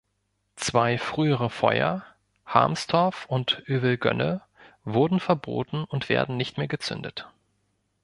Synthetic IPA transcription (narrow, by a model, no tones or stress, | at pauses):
t͡sv̥aɪfʁ̥yːəʁəfɔ̰ʏɐ̰ | ha̰ɐmstʰɔɐfʊntʔyːbl̩ɡœ̰nə | vʊɐdn̩fɛɐbo̰ːtn̩ʊntv̥ḛːɐdn̩nɪçtmeːɐɡət͡sʏ̰ndət